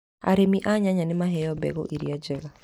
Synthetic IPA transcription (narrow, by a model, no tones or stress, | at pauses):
a̰ɾemiʔaɲaɲanemaɦɛjɔbɛ̰ɣɔ̰ʔiɾiad͡ʒɛɣa